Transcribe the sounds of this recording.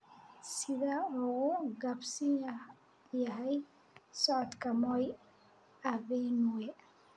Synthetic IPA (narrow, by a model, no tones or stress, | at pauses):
sɪðaːuɣɡɐbsɪn | jɐɦɛj | sɔʕɔd̪kʰɐmɔj | ɐvɛnwɛ